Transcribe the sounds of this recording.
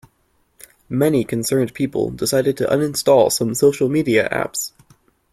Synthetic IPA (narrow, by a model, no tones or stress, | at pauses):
mɛnikʰɨ̃nsɜ̃˞npʰipə̰l̩ˠdɪsaɪɾɨd̚tʰɨʔʌ̰̃nɨ̃nstɔlˠsʌ̃msoʊʃl̩ˠmiɾiɨ̰ʔæ̰ps